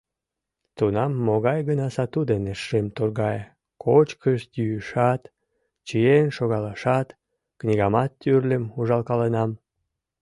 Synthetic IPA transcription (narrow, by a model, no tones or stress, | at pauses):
t̪unɑmːoɣɑjɣənɑsɑt̪ud̪eneʃemt̪orɣɑj | kʰot͡ɕkəʃjyjːʃɑt̪ | t͡ɕijenʃoɣɑlɑʃɑt̪ | knʲiɣɑmɑt̪ːyrlʲəmuʒɑlkɑlenɑm